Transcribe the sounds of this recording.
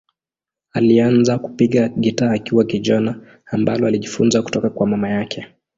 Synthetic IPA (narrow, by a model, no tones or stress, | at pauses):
alianzaku̥piɠaɠitaːkiwakiʄɔnaː | mba̰lɔaliʄifunzaku̥tɔkakwamamajakʰɛ